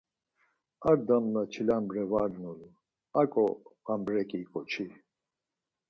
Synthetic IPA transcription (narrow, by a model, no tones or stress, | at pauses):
aɾd̪amlat͡ʃʰilambɾɛvaɾnulu | akʼɔambɾɛkʼikʼɔt͡ʃʰi